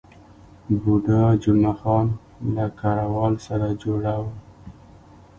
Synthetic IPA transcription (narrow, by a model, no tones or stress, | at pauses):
buɖad͡ʒʊmaxɑn | lakɑɾawɑlsaɾad͡ʒoɽawə